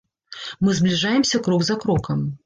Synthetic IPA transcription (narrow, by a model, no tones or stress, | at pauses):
mɨzblʲiʐajɛmsʲɐkɾɔɡzɐkɾɔkɐm